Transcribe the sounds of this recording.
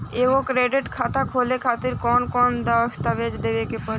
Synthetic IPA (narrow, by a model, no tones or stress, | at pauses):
eːʋokɾeːɖɪʈkʰaːt̪akʰoːlekʰaːt̪ɪɾkɔːnkɔːnd̪əst̪aʋed͡ʒd̪eːʋekepəɾ